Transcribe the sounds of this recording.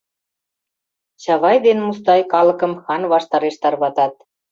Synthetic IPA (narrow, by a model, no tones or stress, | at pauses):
ɕɑβɑjd̪enmust̪ɑjkɑlɤ̆kɤ̆mxɑnβɑʃt̪ɑɾeʃt̪ɑrβɑt̪ɑt̪̚